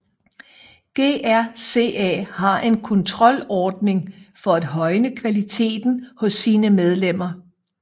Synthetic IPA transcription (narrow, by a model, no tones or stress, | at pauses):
ɡ̥e̝̰ːæɐ̰se̝̰ːɛ̰hɑ̈ʔe̝nkʰɔ̽nt͡sʰʁɒ̽l̰ɒːd̥̚ne̝ŋfɒ̽æd̥ɦɒ̽ɪnəkʰʋælit͡sʰe̝̰ːd̥n̩hɔ̽sːiːnəmeð̞ˠlem̰ɐ